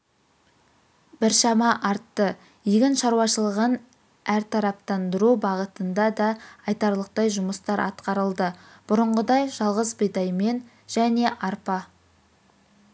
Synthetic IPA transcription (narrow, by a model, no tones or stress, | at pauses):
b̥ɪɾʃɑmɑʔɑɾt̪ːə | iɡʲɪnʃɑɾuwɑʃəlˠəʁən | æɾt̪ʰɑɾɑp̚t̪ɑnd̪əɾubɑʁət̪ənd̪ɑd̪ɑɑjt̪ɑɾlˠəq̚t̪ɑjʒʊməst̪ɑɾʔɑ̰t̪̚qɑɾəlˠd̪əb̥ʊɾəɴʁəd̪ɑjʒɑlˠʁəzbəjd̪ɑjme̞n | ʒ̥æne̞ʔɑɾpɑ